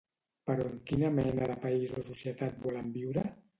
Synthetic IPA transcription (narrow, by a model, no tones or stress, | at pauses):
pəɾɔəŋkinəmɛnəðəpaizosusjət̪at̪̚bɔləmbiwɾə